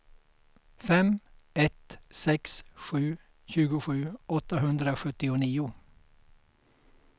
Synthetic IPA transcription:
fɛm | ɛt̪sɛksɧʉ̟ː | ɕʉ̟ːɡʊɧʉ̟ːɔt̪ːaɦɵnd̪ɾaɧɵt̪ːɪʊniːʊ

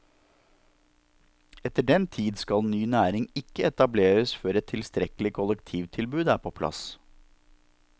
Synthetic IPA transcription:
ɛt̪əɖɛnt̪ʰiːd̪skɑlnyːnæːɾɪŋɪkːəɛt̪ɑbleːɾəsfœɾɛt̪ʰːɪlst̪ɾɛklɪkʰʊlɛkt̪ʰiːʋt̪ʰɪlbʉːd̪æːpʰoːpʰlɑ̰s

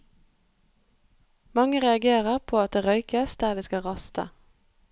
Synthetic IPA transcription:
mɑŋəʁɛɑɡeːʁəʁpʰoːɑt̪̚d̪eːʁœʏkəsd̪̥æːʁd̪eːskɑʁɑst̪ə̰

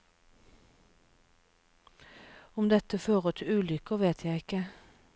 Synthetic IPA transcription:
ʊmd̪ɛt̪əføːʁət̪ʰɪʉːlʏkəʋeːt̪ʰjæɪɪkə

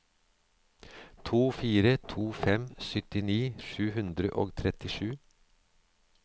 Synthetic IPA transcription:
t̪ʰuːfiːɾət̪ʰuːfɛmsʏt̪ɪniːʃʉːhʉnd̪ɾəʔo̰ːɡt̪ʰɾɛt̪ɪʂʉː

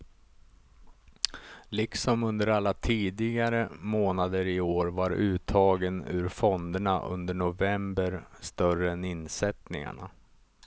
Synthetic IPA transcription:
lɪksɔmɵnd̪əɾalːat̪ʰiːd̪ɪɡaɾəmoːnad̪əɾɪoːɾvaɾʉ̟ːt̪ʰɑːɡənʉ̰ɾfɔnd̪əɳaʔɵ̰nd̪əɳʊvɛmbəɾst̪œɾəɛnɪnsɛt̪nɪ̰ŋa̰ɳa̰

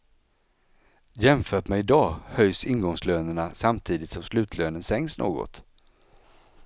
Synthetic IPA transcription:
jɛmfœːʈmɛɪd̪ɑːhœjsɪnɡɔŋsløːnəɳasamt̪ʰiːd̪ɪt̪sɔmslʉ̟ːt̪ʰløːnənsɛŋsnʔo̰ːɡɔ̰t̪

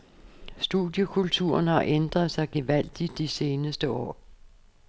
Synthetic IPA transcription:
sd̥uðˠjəkʰult͡sʰṵɐnhɑ̈ʔend̥ʁɐð̩ˠsɑ̈ɪɡ̥e̝ʋæl̰d̥id̥ise̝ːnəsd̥əɒ̰ː

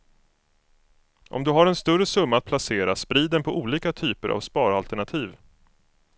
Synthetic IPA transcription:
ʔɔ̰md̪ɵɦaɾɛnst̪ɵɾəsɵmːaːt̪̚pʰlaseːɾaspɾiːd̪ɛnpʰɔʔuːliːkat̪ʰyːpəɾʔa̰vspɑːɾalt̪ɛɳat̪ʰiːv

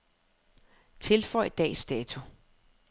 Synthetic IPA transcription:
t͡sʰe̝lfɒɪ̰d̥ɛ̰ːsd̥ɛt͡sʰu

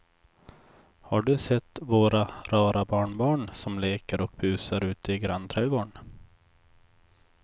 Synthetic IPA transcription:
haɖɵsɛt̪ːvoːɾaɾɑːɾabɑːɳbɑːɳsɔmleːkəɾɔk̚bʉ̟ːsaɾʉ̟ːt̪əɪɡɾant̪ʰɾɛːɡoːɳ

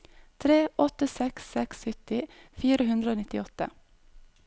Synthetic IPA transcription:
t̪ʰɾeːʔɔt̪əsɛksɛksʏt̪ɪ | fiːɾəhʉnd̪ɾəoːnɪt̪ɪɔt̪ə̰

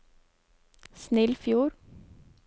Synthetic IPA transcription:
snɪlfjuːɾ

